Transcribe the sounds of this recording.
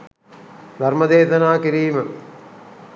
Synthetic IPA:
d̪ʱɐrmɐd̪eːʃɐnaːkiɾiːmə

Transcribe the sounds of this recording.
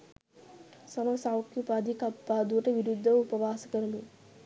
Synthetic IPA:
sɐmɐʋɐsawkjupad̪ʱikapːaːd̪uʈɐʋiɾud̪ʱːɐupɐʋaːsɐ̥kəɾɐmi

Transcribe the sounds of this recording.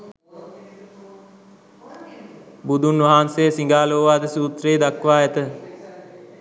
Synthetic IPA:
bud̪unʋaɦaːnsejsiŋɡaːloːʋaːd̪əsuːt̪ɾeːd̪akʋaːɛt̪ə

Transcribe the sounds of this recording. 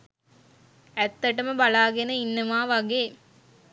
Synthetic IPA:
æt̪ːɐʈəməbalaːɡenəinːəʋaːʋaɡeː

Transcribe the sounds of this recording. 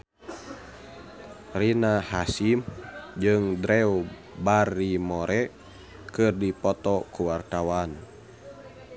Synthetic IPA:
rinahasimd͡ʒɨŋdɾɛu | barimɔɾʔɛ | kɨrdipɔt̪ɔkuwart̪awan

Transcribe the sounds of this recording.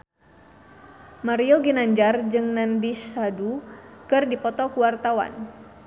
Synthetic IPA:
maɾioɡinaɲd͡ʒard͡ʒɨŋnandisadukɨrdipɔt̪ɔkuwart̪awa̰n

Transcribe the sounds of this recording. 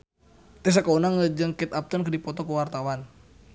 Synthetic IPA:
t̪ɛs̬akaunaŋəd͡ʒəŋkɛt̪ap̚t̪ənkədipɔt̪ɔkəwart̪awan

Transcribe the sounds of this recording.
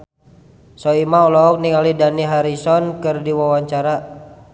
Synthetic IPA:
sɔimaulɔɔk̚niŋalidaniɦaɾisɔnkɨrdiwawaɲt͡ʃaɾa

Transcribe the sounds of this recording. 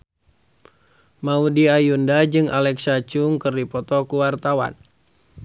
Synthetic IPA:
maudiajundad͡ʒɨŋʔa̰lɛksat͡ʃuŋkɨrdipɔt̪ɔkuwart̪awa̰n

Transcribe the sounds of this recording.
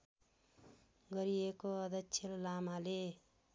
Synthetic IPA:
ɡʌɾiekoʌd̪ʌksʰellamale

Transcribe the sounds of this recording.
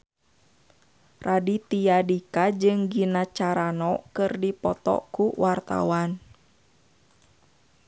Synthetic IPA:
rʔadit̪ijadikad͡ʒɨŋɡinat͡ʃaɾanɔkɨrdipɔt̪ɔ̰kuwart̪a̰wan

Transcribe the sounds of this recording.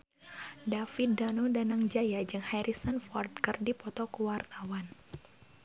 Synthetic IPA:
dafidanudanaŋd͡ʒajad͡ʒɨŋhajɾisənfɔrd̪̚kɨrdipɔt̪ɔkuwart̪awan

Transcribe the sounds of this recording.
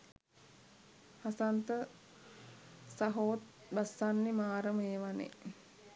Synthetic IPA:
hasant̪ə | saɦoːt̪̚ | basːanːimaːɾəmeːʋanḛ

